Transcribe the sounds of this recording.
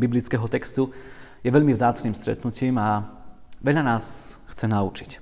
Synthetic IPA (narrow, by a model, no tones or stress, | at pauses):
biblit͡skɛɦɔt̪ɛkst̪ujɛʋɛʎmivzaːt͡sniːmst̪ɾɛ̰t̪nuciːma | ʋɛʎanaːsxt͡sɛnaut͡ʃi̥c